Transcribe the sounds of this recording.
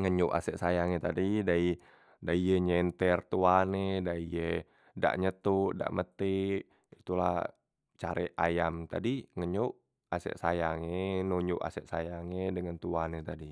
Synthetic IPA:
ŋəɲuʔa̰sɛʔsajaŋet̪adidai | daijeɲɛnt̪ɛrt̪uanedaije | da̰ʔɲət̪uʔda̰ʔmət̪i | it̪ula̰ | t͡ʃa̰ɾḛʔa̰jamt̪a̰diŋəɲoʔ | asɛ̰ʔsajaŋenoɲuʔa̰sɛʔsajaŋedəŋant̪uanet̪adi

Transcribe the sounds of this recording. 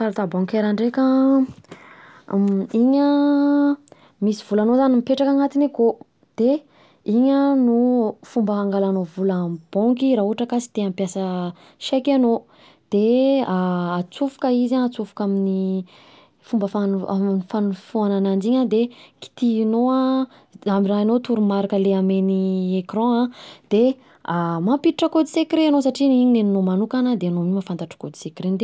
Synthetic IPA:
saɾat̪abɔŋkeɾaɳɖ͡ʐekə | iɲə | misiv̥ulanozanimipeʈ͡ʂakaŋat̪ineko | d̪̥e | iɲənufumbəɦaŋɡalanovulab̥ɔŋkiɾauɦaʈ͡ʂəkasi̥t̪eampjasə | ʃɛkʲano | d̪̥eaːt͡sufu̥kəizãat͡sufu̥kamini | fumbəfanaminifanufuananand͡ʒiɲad̪eki̥t̪inoã | amiraɦanot̪uɾumaɾakəleameniekrɔ̃ãd̪̥e | amampit̪iʈ͡ʂəkod̪isekɾeanos̬aʈ͡ʂiniɲineninomanukanəd̪eanomimafant̪aʈ͡ʂḁkod̪i̥sekɾend̪e

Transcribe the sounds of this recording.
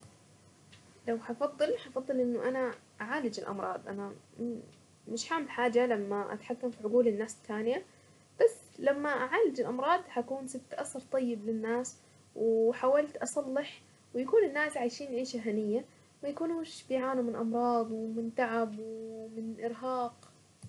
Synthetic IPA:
lawħafɑðˤːɨlħɑfɑðˤːɨlʔɪnːʊʔanaʔaʕaːlɪd͡ʒɪlʔɑ̰mɾˤɑ̰ːd̪ˤʔa̰na | mɪʃħambħaːd͡ʒalamːaʔa̰t̪ħakːamfiʕʊɡuːlɪnːaːst̪ʰːaːnɪja | b̥asːlamːaʔaʕaːlɪd͡ʒɪlʔɑmɾˤɑːd̪ˤhakuːnsɪbt̪ʔasɑɾˤt̪ˤɑjːɪblɪnːaːs | wɪħaːwalt̪ʔɑsˤɑlːɪħ | wɪjakuːnɪnːaːsʕajʃiːnjʕʔiːʃaɦanɪjːa | majakuːnuːʃbɪjʕaːnumɪnʔɑmɾˤɑːd̪ˤwɪmɪnt̪aʕabwmɪnʔɪɾɦɑːq

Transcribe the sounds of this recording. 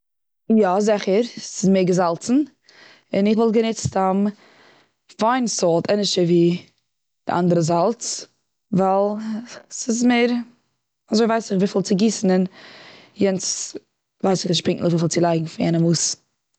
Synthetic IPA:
jazɪχəɾsɪsmeɪɾɡəzalˠt͡sn̩ | ɪnɪχvɔlˠɡənɪt͡stam | faɪnsɔlˠtʰɛnəʃəviː | d̥ɪ̰ʔa̰ndəɾəzalˠt͡s | valˠsɪsmeɪɾ | azoɪvaɪsɪχviːfɪlˠt͡sɪɡiːsn̩ɪn | jɛnt͡s | vaɪsɪχnɪʃpɪŋknl̩ˠɪχviːfɪlˠt͡sɪlˠaɪɡŋ̩fɪnjɛ̰nəmuːs

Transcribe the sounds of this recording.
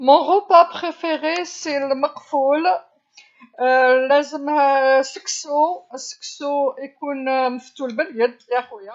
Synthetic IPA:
mɔ̃ʁopapχefeʁeselmɑqful | læzəmhæsəksosə̥ksoikunməft̪ulbəljəd̪jæxwəja

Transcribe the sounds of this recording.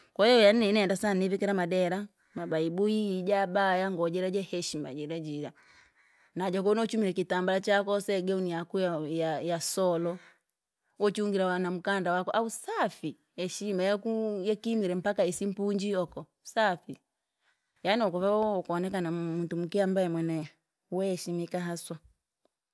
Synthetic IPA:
kɔjɛjɔjan̩ːɛinɛndasanivikɛɾamadɛɾa | mabaibuid͡ʒabajaŋɡɔd͡ʒɛɾɛd͡ʒɛhɛʃima̰d͡ʒɛɾɛd͡ʒiɾa | nad͡ʒak̬ɔnɔt͡ʃumiɾɛkitambalat͡ʃakɔsɛɡɛunijakujaajasɔlɔ | wɔt͡ʃiuŋɡiɾawanam̩kandawakɔʔausafi | hɛʃimajɛkujɛkimiɾɛm̩pakaisim̩puɲd͡ʒiɔkɔ | safi | janiɔkɔvakɔnɛk̬anamuntum̩kiambaɛmwɛnɛ | wɛhɛʃimikaɦaswa

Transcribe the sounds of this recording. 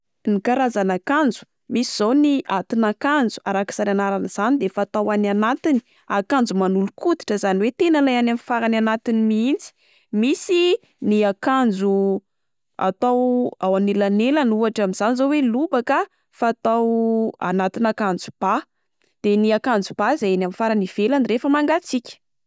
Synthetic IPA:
nikaɾazanakand͡zu̥ | misiz̥owniʔat̪inakand͡zu̥aɾaki̥saɾanaɾanz̥anid̪efaːt̪awananat̪ini̥ | akand͡zumanulukut̪i̥ʈ͡ʂəzaniwet̪enalajanamifaɾananat̪inimiint͡si̥ | misi | niakand͡zu | a̰t̪awawanelanelanuaʈ͡ʂamiz̥anizowelubakə | fat̪awa̰nat̪inakand͡zub̥a | d̪̥eniakand͡zub̥aizajenamfaɾaniv̥elanirefəmaŋɡat͡sikʲə̥

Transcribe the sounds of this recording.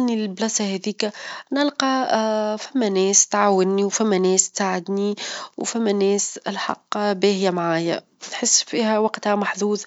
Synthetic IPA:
nilɪlblɑsahɛðiːkænɪlqɑfæmːænɛːst̪ʕaːwɪnːiwfæmːænɛːst̪saːʕɪd̪niwfæmːænɛːsɪlħɑ̰qːbɛːhjæmʕaːjæ | nħɪsːfiːhæwɑqt̪hæmaħðuːðˤ

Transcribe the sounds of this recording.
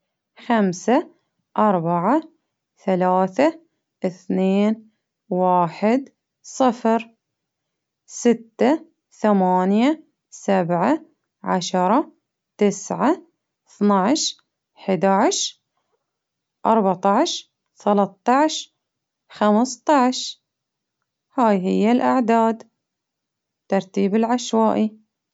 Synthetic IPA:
xamsa | ʔɑɾˤbaʕa | θalaːθa | ʔɪθneːn | waːħɪd̪ | sˤɨfɾ | sɪt̪ːa | θamaːnja | sabʕa | ʕa̰ʃɑɾˤɑ | t̪ɪsʕa | θnaʕʃ | ħɪd̪aʕʃ | ʔɑɾˤbaʕt̪ˤɑʕʃ | θalɑtˤːɑʕʃ | xamst̪ˤɑʕʃ | haːjɦɪjːalʔaʕd̪aːd̪ | t̪ːɑɾˤt̪iːbɪlʕaʃwaːʔi

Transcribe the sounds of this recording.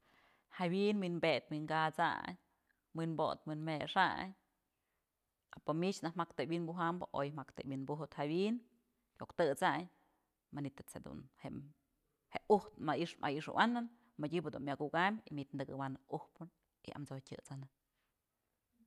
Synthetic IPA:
hawinwinbet̪wiŋkat͡sa̰ɲ | minbo̰t̪minmeʂa̰ɲ | apomit͡ʃnahmakt̪ewinbuɦambɨʔo̰jmakt̪ebwinbuɦut̪hawin | kʲokt̪ɨt͡saɲ | manit̪ɨt͡shed̪ṵnheʔ | heʔuht̪maʔiʂmʔa̰jiʂɨ̰wʔanɨn | madʲibɨd̪unmjaɡuʔɡambʲimit̪̚nd̪ɨɡɨwanɨʔuhpɨn | ḭa̰mt͡sojtʲɨ̰t͡sanɨ

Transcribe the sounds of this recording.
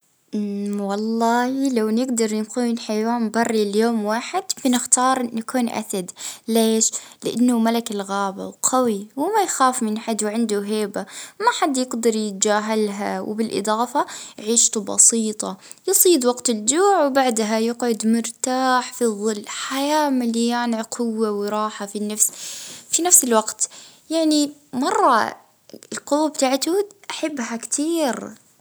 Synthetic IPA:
ʔwɑlˤːɑːhlawnɪɡd̪ɑɾˤnɪkuːnħajwaːmbɑrˤːiljoːmwaːħɪd̪b̥ɪnɪxt̪ɑːɾˤʔɪnːakuːnʔa̰θad̪leːʃlɪʔanːʊmalakɪlɣaːba̰wqʰawiwɪmajxaːfmɪnħad̪wʕɪnd̪uɦeːbamaħad̪ːjɪɡd̪ɑɾˤjɪt̪̚d͡ʒaːɦalɦa̰w̰bɪlʔɨ̰d̪ˤɑːfajʕiːʃt̪ubɑ̰siːt̪ˤɑ | jɨsˤiːd̪waqt̪ɪld͡ʒuːʕwbaʕd̪ɦajɪqʕʊd̪mʊɾt̪aːħfiðˤːɨlːħajaːmaljaːnɪʕqʰʊwːawɪɾˤɑːħafinːafsfinafsɪlwaɡt̪ | jaʕnimɑrˤːɑ̰ | ɪlqʊwːabt̪aːʕt̪uʔaħabːɦakt̪ʰiːɾ

